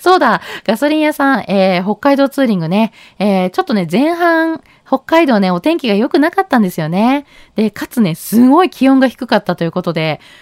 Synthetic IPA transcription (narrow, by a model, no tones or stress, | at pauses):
so̞ːd̪aɡ̥aso̞ɾʲĩɰ̃jasãŋeːɦo̞kːaid̪o̞ːt͡sɨːɾʲĩŋɡɯ̟ne̞ | eːt͡ɕo̞t̪ːo̞ne̞zẽ̞ɰ̃ɦãŋ̃ | ho̞kːaid̪o̞ːne̞o̞t̪ẽ̞ŋkʲiɡajo̞kɯ̟nakat̪ːãnd̪e̞sɨjo̞ne̞d̪̥e̞kat͡sɨne̞sɨɡo̞ikʲiõ̞ŋɡaçi̥kɯ̟̥kat̪ːat̪o̞jɯ̟ko̞t̪o̞d̪e̞